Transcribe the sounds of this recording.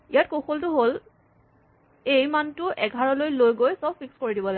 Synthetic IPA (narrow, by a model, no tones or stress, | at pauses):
ijat̚koxoltʊɦol | ejmantʊʔɛɡʱaɹɔlojlojɡojsɔb̚fikskoɹidibɔla